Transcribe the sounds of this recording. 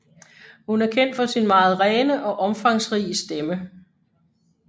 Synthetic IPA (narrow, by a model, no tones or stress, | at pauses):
hunæɐkʰen̰d̥fɒ̽sinmɑ̈ːð̞̩ˠʁɛːnəʔɒ̽ʔɒ̽mfɑ̈ŋsʁiːəsd̥emə